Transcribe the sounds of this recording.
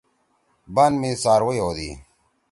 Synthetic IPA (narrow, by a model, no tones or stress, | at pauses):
banmiːsaːɾwojoːd̪ḭː